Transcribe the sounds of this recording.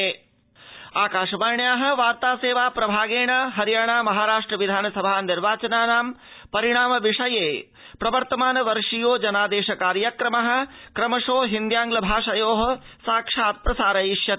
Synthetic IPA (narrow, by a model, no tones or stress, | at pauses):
eː | aːkaːʃɐmaːɾɳjaːɦɐ̆ʋaːɾt̪aːseːʋaːpɾɐbʱaːɡeːɳɐɦɐɾjaːɳaːmɐɦaːɾaːʂʈɾɐʋid̪ʱaːnɐsɐbʱaːniɾʋaːt͡ʃɐnaːnaːm | pɐɾiɳ̃aːmɐʋiʂɐjeː | pɾɐʋɐɾt̪ɐmaːnɐʋɐɾʂijoːd͡ʒɐnaːd̪eːʃɐkaːɾjɐkɾɐmɐɦɐ̆kɾɐmɐʂoːɦind̪jaːŋɡlɐbʱaːʂɐjoːɦɐ̆ | saːkʂaːt̪̚pɾɐsaːɾɐiʃjɐt̪